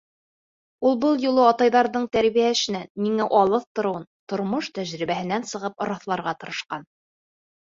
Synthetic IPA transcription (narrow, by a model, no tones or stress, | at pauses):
ulˠbɤlˠjulˠɤɑt̪ɑjðɑɾðɤɴt̪æɾβijæʃɘ̆næːiŋæʔɒlˠɤθt̪ŏɾŏwɤnt̪ŏɾmoʃt̪æʑɾiβæhɘ̆nænsɤ̆ʁɤp̚ŏɾɑθlˠɑɾʁɑt̪ɤ̆ɾɤ̆ʃqɑn